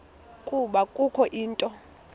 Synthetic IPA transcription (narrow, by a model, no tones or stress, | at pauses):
kʼuɓakʼukʰɔʔiːntʼɔ